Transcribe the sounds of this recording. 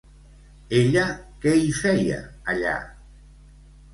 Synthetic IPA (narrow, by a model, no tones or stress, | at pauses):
eʎakejfɛja̰aʎa̰